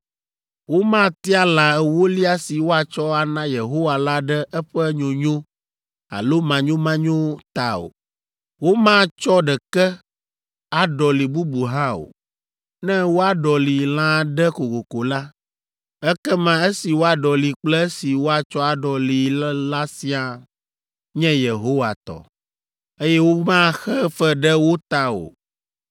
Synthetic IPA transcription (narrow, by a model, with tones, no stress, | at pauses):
wo˦mã˦t̪i˦a˦la˨ɛ˨wo˦li˦a˦si˨wo˦a˨t͡ʃɔ˦a˨nã˦je˨ɦo˦wa˨la˦ɖɛ˦ɛ˦ɸɛ˦ɲõ˨ɲõ˦ | a̰˨lo˦mã˨ɲõ˦mã˦ɲõ˦t̪a˨o̰˨ | wo˦mã˦t͡ʃɔ˦ɖɛ˨kɛ˦ | a˨ɖɔ˨li˨bu˦bu˨ɦã˦o̰˨ | nɛ̃˦wo˦a˨ɖɔ˨li˨lã˦ɖɛ˦ko˨ko˨ko˨la˦ | ɛ˦kɛ˦mã˦e˦si˨wo˦a˨ɖɔ˨li˨k͡plɛ˦si˨wo˦a˨t͡ʃɔ˦a˨ɖɔ˨li˨lla˦si˦a˨ | ɲɛ̃˦je˨ɦo˦wa˨t̪ɔ̰˨ | e˦jɛ˦wo˦mã˦xɛ˦fɛ˦ɖɛ˦wo˦t̪a˨o̰˨